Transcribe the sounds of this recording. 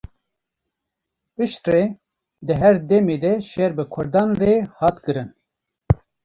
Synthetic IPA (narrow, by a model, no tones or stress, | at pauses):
pɨʃt̪re | d̪ɨɦɛɾd̪ɛmeːd̪ɛʃɛɾbɨkʰʊɾd̪ɑːnrehɑːt̪kɨɾɨn